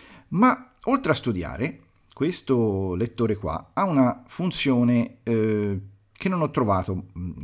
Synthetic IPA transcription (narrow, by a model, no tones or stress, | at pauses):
ma | olt̪ɾeast̪ud̪ja̰ːɾe | kwest̪olet̪ːoːɾekwa̰aunafunt̪sjoːne | kʰenːonɔt̪ːɾovaːt̪o